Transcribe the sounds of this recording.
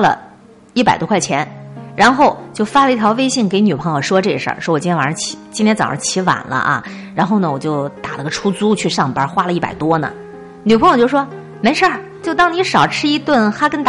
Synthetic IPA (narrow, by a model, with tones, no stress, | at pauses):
lə̰˨ | i˥˩pa˨˩ɪt̪wɔ˥kʰwɪt͡ɕʰjɛ˧˥nɻa˧˥nxo˥˩˧ʊt͡ɕjo˥˩ʊfa˥lə˧i˥˩t̪ʰjɑ˧˥ʊwe˥ɪɕi˥˩ŋke˧˥ɪny˨˩pʰɤ˧˥ŋjo˨˩ʊʂwɔ˥ʈ͡ʂɤ˥˩ə˧˦ʂə̰˞˥˩ʂwɔ˥wɔ˨˩t͡ɕnʰ˥a˧˩˥t͡ɕʰi̥˧˥t͡ɕi˥nt̪ʰjɛ˥nt͡sɑ̰˨˩˧t͡ɕʰi˧˥wa̰˨˩nlə̰˦ʔa̰˧ | ɻa˧˥nxo˥˩ʊnə˩wɔ˨˩t͡ɕjo˥˩ʊt̪a˨˩lə˧˥ɡə˧ʈ͡ʂʰu˥t͡su˥t͡ɕʰy˥˧ʂɑ˥˩ŋpə˧˥xwa˥lə˨˧i˥˩pa̰˨˩ɪt̪wɔ˥nə̰˨ | ny˨˩pʰŋjo˨˩ʊjo˥˧ʊʂwɔ˥ | me˧˥ɪʂə˞˥˩ | t͡ɕjo˥˧ʊt̪ɑ˥˩ŋni˧˥ʂɑ˨˩ʊʈ͡ʂʰɻ̩˥i˥t̪wə˥˩nxa˥kə˥nt̪a˩